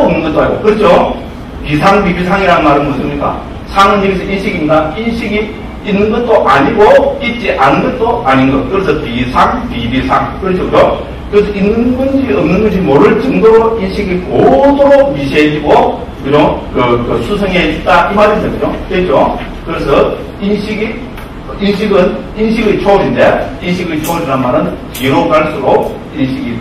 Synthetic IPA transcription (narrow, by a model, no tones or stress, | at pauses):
mnɯnɡʌt͈oɦaɡo̰kɯɾed͡ʑo | pisʰaŋpibisʰaŋiɾanmaɾɯnmunsʰɯmɲik͈a̰ | sʰaŋɯniɡesʰʌinɕʰiɡimɲidainɕʰiɡi | inːɯnɡʌt̚t͈oʔaɲiɡoit̚t͡ɕ͈iʔanɯnɡʌt̚t͈oaɲinɡʌt̚kɯɾesʰʌpisʰaŋpibisʰaŋkɯɾet͡ɕʰokɾo | kɯɾesʰʌinːɯnbund͡ʑiiʌmnɯnɡʌɕ̬ʰimoɾɯɭt͡ɕɯŋdoɾoinɕʰiɡikosʰoɾomiɕ̬ʰed͡ʑiɡo | kɯd͡ʑʌmkɯkɯsʰusʰʌŋeit̚t͈aʔimaɾindeɡɯd͡ʑokɯɾed͡ʑokɯɾesʰʌ | inɕʰiɡi | inɕ̬ʰiɡɯn | inɕʰiɡɯt͡ɕʰoɾinde̞inɕʰiɡɯɭt͡ɕʰod͡ʑinanmaɾɯnpiɾoɡaɭs͈uɾo | inɕʰiɡi